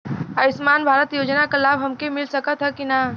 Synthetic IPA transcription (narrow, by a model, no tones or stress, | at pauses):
əɪsmanbʱaɾət̪jod͡ʒnakəlabɦəmkemilsəkət̪ɦəkina